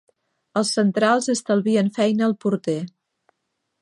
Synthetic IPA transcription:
əlˠsːənt̪ɾalˠzəst̪əlˠβiənfɛjnəːlˠpuɾt̪e

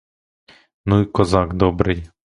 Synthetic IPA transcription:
nuikɔzɑɡd̪ɔbɾɪj

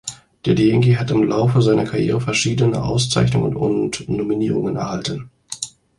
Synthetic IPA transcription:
d̥eːɐdiɛŋkiɦatɪmlʔaʊfəzaɪnɐkʰaʁjḛːʁ̞əfɛɐʃiːdənə̰ʔa̰ʊst͡sa̰ɪçnʊŋə̰nʊ̰ntnominiːʁ̞ʊŋənɛ̰ɐhaltən

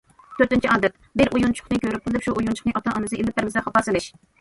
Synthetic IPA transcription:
t̪ʰøɾt̪ɪnt͡ʃʰiɑːd̪ɛt̪̚ | bɪɾʔujunt͡ʃʰʊ̥χnɨkʲøɾyp̚qʰəlˠɨpʃuʔujunt͡ʃʰʊ̥χnɨʔɑt̪ɑʔɑnɨsɨʔelɪp̚bɪɾmɪsɨχɑpɑsɨlˠɪʃ

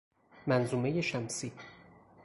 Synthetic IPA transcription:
mænzuːme̞je̞ʃæmsiː

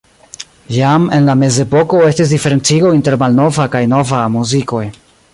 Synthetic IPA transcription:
jame̞nlame̞ze̞po̞ko̞e̞stis̬dife̞ɾe̞nt͡siɡo̞inte̞ɾmalno̞vakajno̞vamuziko̞j

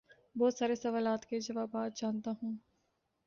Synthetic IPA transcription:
bɔːt̪saːɾesɐʋaːlaːt̪ked͡ʒɐʋaːbaːt̪̚d͡ʒaːnt̪aɦũː

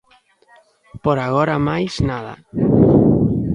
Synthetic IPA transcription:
poɾaɣ̞ɔɾamajznaða̰

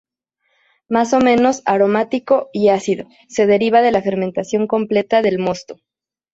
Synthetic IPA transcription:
maso̞mẽ̞no̞saɾo̞mat̪iko̞iasiðo̞ | se̞ð̞e̞ɾiβ̞að̞e̞lafe̞ɾment̪asjo̞ŋko̞mple̞t̪aðe̞lmo̞st̪o̥

